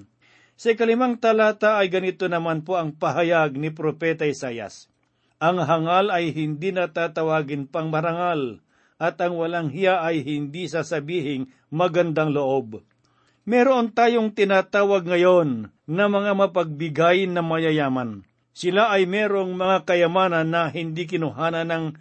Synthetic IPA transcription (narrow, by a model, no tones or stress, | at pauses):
sɐɪkɐlɪmaŋt̪ɐlaːt̪aʔːjɡɐnɪt̪onɐmanpo̞ɐŋpɐɦɐjaɡ̚nɪp̬ɾopɛt̪ɐɪsaːjɐ̰s | ʔɐŋɦɐŋalɐjɦɪnd̪inɐt̪aːt̪ɐwaːɡɪnpɐŋmɐɾɐŋal | ʔɐt̪ɐŋwɐlaŋhɪjaʔɐjɦɪnd̪isaːsɐbiːhɪŋ | mɐɡɐnd̪aŋloʔo̞b̚ | mɛɾoʔont̪aːjoŋt̪ɪnaːt̪aːwɐɡŋɐjo̞nː | ɐmɐŋamɐpɐɡ̚bɪɡajnɐmɐjɐjaːmɐn | sɪlaʔɐjmɛɾo̞ŋmɐŋakɐjɐmaːnɐnːɐɦɪnd̪ikɪnʊɦaːnɐnɐŋ